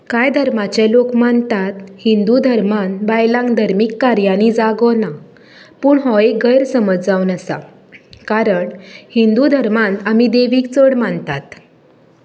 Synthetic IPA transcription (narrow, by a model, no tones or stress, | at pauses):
kajd̪ʱəɾmat͡ɕɛ̃lokmant̪at̪hind̪ud̪ʱəɾmanbajlãŋd̪ʱəɾmikːaɾjanid͡zaɡɔna | puːɳɦɔeɡəjɾsəməd͡zd͡zaʋwnəsa̰ | kaɾəɳhind̪ud̪ʱəɾmãnt̪amid̪eʋiːkt͡səɽmant̪at̪